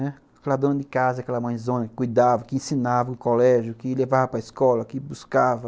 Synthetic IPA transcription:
ɛ | akɛlɐd̪õnɐd̪ɪkazɐakɛlɐmɐ̃j̃zõnɐkɪ̥kujd̪avɐkɪẽsĩnavɐʊ̃kolɛʒjʊkɪlevavɐpɾɐiskɔlɐkɪbuskavɐ

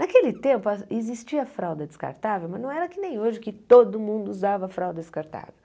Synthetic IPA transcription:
nakelɪt̪ẽmpʊaezist͡ʃiɐfɾawd̪ɐd̪ɪska̰ɾt̪avewmɐznɐ̃w̃ɛɾɐkɪnẽj̃oʒɪkɪt̪od̪ʊmũnd̪ʊʊzd̪avɐfɾawd̪ɐd̪ɪskaɾt̪a̰vḛw

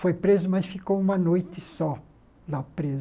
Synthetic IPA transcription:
fojpɾezʊmɐsfikowũmɐnojt͡ʃ̪ɪsɔ | lapɾez

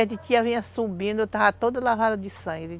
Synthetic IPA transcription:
ɛt̪ɪt͡ʃiɐvĩɲɐsubĩnd̪ʊet̪avɐt̪od̪ɐlavad̪ɐd̪ɪsɐ̃ɡɾɪ

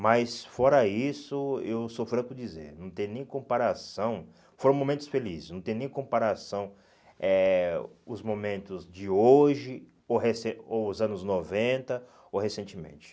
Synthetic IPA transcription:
mɐjsfɔɾɐisʊewsofɾɐ̃kʊd͡ʒizḛɾnɐ̃w̃t̪ẽj̃nẽj̃kõpaɾasɐ̃w̃ | foɾɐ̃w̃mõmẽnt̪ʊsfelizɪsnɐ̃w̃t̪ẽj̃nẽj̃kõmpaɾasɐ̃w̃ | ɛ | ʊzmomẽnt̪ʊzd͡ʒɪoʒɪ | oɦesẽoʊzɐ̃nʊznovẽnt̪ɐ | owhesẽnt͡ʃɪmḛ̃nt͡ʃɪ̥

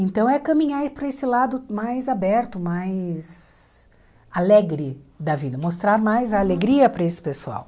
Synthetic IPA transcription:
ẽnt̪ɐ̃w̃ɛkɐ̃mĩɲaɾpoɾesɪlad̪ʊmajzabɛɾt̪ʊmajs | alɛɡɾɪd̪ɐvid̪ɐmost̪ɾaɾmajzɐːleɡɾiɐpɾɐesɪ̥pesua̰w

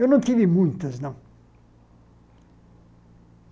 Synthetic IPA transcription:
ewnɐ̃w̃t̪ivimũj̃t̪ɐznɐ̃w̃

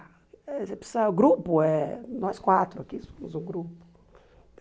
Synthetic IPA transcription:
ɛsepsɐɡɾupʊɛnɔskwat̪ɾʊakisomʊzũɡɾupʊ̥

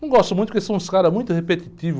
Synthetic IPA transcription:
nɐ̃w̃ɡɔst̪ʊmũt̪ʊpkesẽw̃skaɾɐmũj̃t̪ʊhepet̪it̪ivʊ

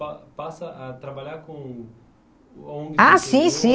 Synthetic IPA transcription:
apasɐʔɐt̪ɾabaʎaɾkõ | õɡasĩsĩ

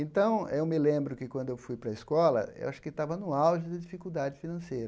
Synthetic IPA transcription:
ẽnt̪ɐ̃w̃ewmɪlẽmbɾʊkɪkwɐ̃nd̪ʊewfujpɾɐeskɔlɐ̰ḛwʔaʃʊ̥kɪt̪avɐnʊ̃awʒʊd̪ɪd͡ʒifikuwd̪ad͡ʒɪfinɐ̃sejɾɐ

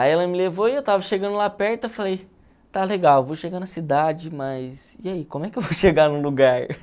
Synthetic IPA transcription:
aiɛlɐmɪlevoiewt̪avɐʃeɡɐ̃nd̪ʊlapɛɾt̪ʊefalej | t̪aleɡawevoʃeɡanɐsid̪ad͡ʒɪmɐsiaikõmʊɛkɪewvoʃeɡanũluɡaɾ

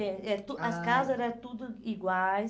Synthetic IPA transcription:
ɛɛt̪uɐskazɐɾɛt̪ud̪ʊiɡwaj

